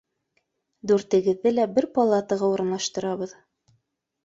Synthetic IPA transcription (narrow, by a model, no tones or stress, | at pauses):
d̪ʉɾt̪ɘ̆ɡɘ̆ðːɘlæbɘɾpɑlˠat̪ɤʁɑuɾɤ̆nlˠɑʃt̪ɤ̆ɾɑβɤð